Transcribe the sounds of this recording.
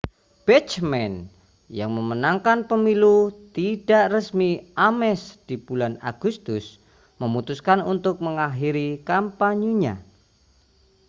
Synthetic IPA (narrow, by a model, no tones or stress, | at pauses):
b̥ɛt͡ʃmɛn | jaŋməmənaŋkanpəmilut̪idaʔrəsmiʔamɛsd̥ib̥ulana̰ɡ̥ust̪ʊs | məmut̪uskanunt̪ʊk̚məŋaɦiɾikampaɲuɲa̰